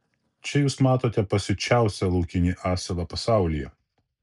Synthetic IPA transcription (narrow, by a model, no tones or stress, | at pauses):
t͡ʃʲɛjuːsmɑːt̪oːt̪ʲɛpɐsʲɪt͡ʃʲæˑʊsʲɛlˠɐʊkʲɪnʲiːʔɑːsʲɛlˠɐpɐsɑˑʊlʲijɛ̰